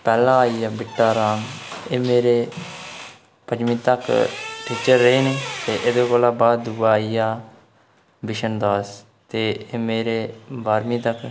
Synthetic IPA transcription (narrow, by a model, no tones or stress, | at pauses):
pɛːlãːaːiːjaːbɪʈːaːɾaːmeːmeːɾeː | pəd͡ʒmĩːt̪əkʈʰiːt͡ʃəɾːeeːnũːt̪eːʔɪd̪oːkoːlaːbaːd̪uːaːijaː | bɪʃənd̪aːs | t̪eːeːmeːɾeːbaːɾmĩːt̪ək